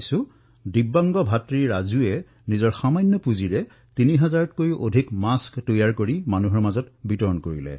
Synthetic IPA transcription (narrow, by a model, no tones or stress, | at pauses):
sʊ | dibːaŋɡɔbʱatɹiɹɹazuɛ | nizɔɹxamajnːɔpuziɹɛ | tiniɦɛzaɹɔtkojʔodʱikmasktojaɹkoɹimanuɦɔɹmazɔtbitɔɹɔnkoɹilɛ̰